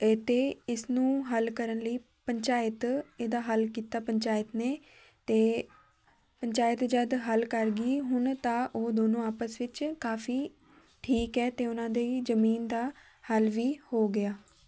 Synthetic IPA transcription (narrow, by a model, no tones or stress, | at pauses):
t̪eːɪsnũːɦəlkəɾənləiː | pəɲt͡ʃaːɪət̪eːd̪aːɦəlkiːt̪aːpəɲt͡ʃaːɪət̪neː | t̪eː | pəɲt͡ʃaːjət̪d͡ʒəd̪ɦəlkəɾɡiːɦʊnt̪ãːʔoːd̪oːnõːaːpəsʋɪt͡ʃkaːfiː | ʈʰiːkɛːt̪eːʊnãːd̪eizəmiːnd̪aː | həlʋiːhoːɡɪaː